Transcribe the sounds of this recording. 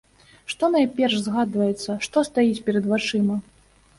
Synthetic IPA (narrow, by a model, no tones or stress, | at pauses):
ʂt̪ɔnajpʲɛrʂzɣad̪vɐjɛt̪sːɐʂt̪ɔst̪ajit͡sʲpʲɛɾɐd̪vat͡ʂɨmɐ